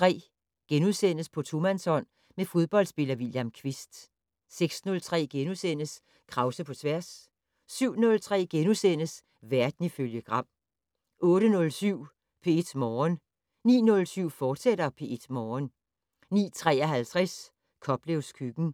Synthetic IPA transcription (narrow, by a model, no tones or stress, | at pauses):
t͡sʰʁɛ̰ː | ɡ̥enuðˠsen̰əspʰɒ̽t͡sʰumænsɒ̽n̰ | mefo̝ðˠb̥ɒ̽l̰d̥sb̥e̝lɐʋiljæmkʰʋisd̥ | seɡ̥snɔ̽lt͡sʰʁɛ̰ːɡ̥enusen̰əs | kʰʁɑ̈ʊsəpʰɒ̽t͡sʰʋæɐsː | yʊ̰nɔ̽lt͡sʰʁɛ̰ːɡ̥enusen̰əs | ʋæɐd̥niføljəɡ̥ʁɑ̈m̰ | ʔɔ̽ːɾ̥ənɔ̽lsyʊ̰ | pʰe̝e̝d̥mɒːn | nḭːnɔ̽lsyʊ̰fɒ̥ːseɾ̥ɐpʰe̝e̝d̥mɒːn | nḭːt͡sʰʁɛ̰ːɐɦælt͡sʰʁɛs | kʰɒ̽b̥leʊskʰyɡ̥n̩